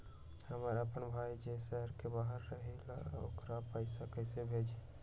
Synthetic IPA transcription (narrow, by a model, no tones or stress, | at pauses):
həməɾəpənbʱaid͡ʒesəɦəɾkebaɦəɾːəɦelaokɾapəɪsakəjsebʱed͡ʒe